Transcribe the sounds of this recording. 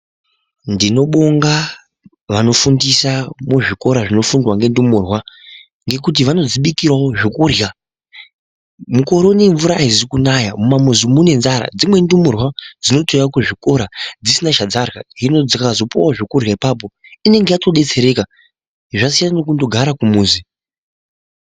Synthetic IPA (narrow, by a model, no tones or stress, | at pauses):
ndino̞ɓoŋɡa | ʋano̞fundisamuʐiko̞ɾaʐino̞fundwaŋɡe̞ndumurwa | ŋɡe̞kut̬iʋano̞d͡ziɓikirawoʐikurja | muko̞ɾo̞neɱvuɾaizikunajamumamuzumune̞nzaɾa̰d͡zimwe̞ndumurwad͡zino̞tojakuʐiko̞ɾad͡zisinaʃad͡zarɣaɦino̞d͡zikazo̞puwaoʐokurjaipaːp̬o̞ine̞ŋɡe̞jato̞ɗe̞t͡se̞ɾe̞ka | ʐasijananok̬undo̞ɡʱaɾakumuːzi